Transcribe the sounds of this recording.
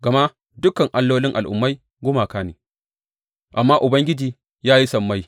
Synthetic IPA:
ɡɐ˨ma˦ | dʊ˦kɐ˨ŋʔa˦lːoː˦lɪ˦ŋʔa̰˨lʔʊ̰˨mːa˦j | ɡʷʊ˦maː˨kaː˦nḛː˨ | ʔa˨mːaː˦ʔʊ˨bɐ˦ŋɡʲɪ˦d͡ʒiː˨ | jaː˦ji˦sɐ˦˨mːa˦j

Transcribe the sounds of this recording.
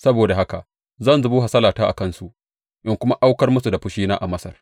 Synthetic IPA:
sɐ˦boː˨da˨ɦa˦ka˨ | zɐ˦˨nzʊ˨buː˦ɦa˨sɐ˦laː˨taː˦ʔa̰˨kɐ˦˨nsu˨ʔ | ʔɪ˦ŋkʷʊ˦ma˦ʔa˦wkɐ˦rmʊ˦su˨da˨ɸʊ˦ʃiː˦naː˦ʔa˨mɐ˦sɐ̰˨r

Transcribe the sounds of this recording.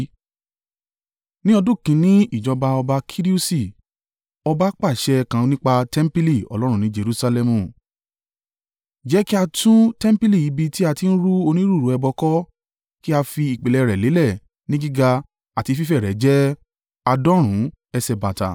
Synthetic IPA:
nĩ˦ɔ˧dũ˦˨kĩ˧˦nĩ˦i˦˨d͡ʒɔ˧ba˧ɔ˧ba˧kʰi˦ɾi˦u˦si˨ | ɔ˧ba˧˦k͡pa˦˨ʃɛ˧kã˨˧nĩ˦k͡pa˧tɛ˦m̩˦pi˦li˦˨ɔ̰˨lɔ˦ɾ̃ũ˦˧nĩ˦d͡ʒe˧ɾu˧sa˧lɛ˧mũ˨ | d͡ʒɛ˨˦ki˦a˧tũ˦tɛ̃˦m̩˦pi˦li˦˨i˨˦bi˧ti˦a˧ti˧˦n̩˦ɾu˦o˧nĩ˦ɾu˦˨ɾu˨˦ɛ˧bɔ˧kɔ˦ | ki˦a˧fi˧i˨k͡pe˨lɛ˧˨ɾɛ˨le˨˦lɛ˦˨ | nĩ˦ɡi˦ɡa˧ | a˨ti˧fi˦fɛ˦˨ɾɛ˨˦d͡ʒɛ˦ | a˧dɔ̃˦ɾ̃ũ˨˦ | ɛ˧sɛ˧ba˨ta̰˨

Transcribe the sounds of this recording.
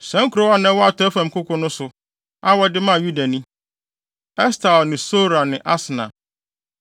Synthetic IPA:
sɛ̃˦ŋ̩˦kʰɾo˦a˦nɛ̃˦wɔ˦a˨tʰɔ˦æ˦fã˨m̩˨kʰʊ˦kʰʊ̃˦nʊ̃˦sʊ˨ | a˦wɔ˨˦dɪ˦mã˦˨ju˦da˨nĩ˦ | ɛ˦stʰa˨ɔ˨nɪ̃˨so˦ɾa˨nɪ̃˨ʔa˦sɪ˨nã̰˨

